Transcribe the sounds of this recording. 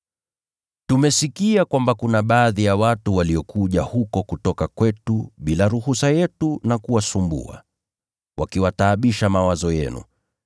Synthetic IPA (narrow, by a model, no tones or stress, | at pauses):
tumɛsikiakwambakunaɓaːðijawatuwaliɔkuʄahukɔkutɔkakwɛtuɓilaɾuhusajɛtunakuwasumbṵa̰ | wʔakiwataːɓiʃamawazɔjɛ̰nṵ